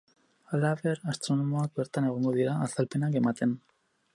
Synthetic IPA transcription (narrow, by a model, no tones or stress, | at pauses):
alaβe̞ɾast̪ɾo̞nomo̞ak̚be̞ɾt̪ane̞ɣ̞oŋɡo̞ðiɾaːsalpe̞nake̞mat̪e̞n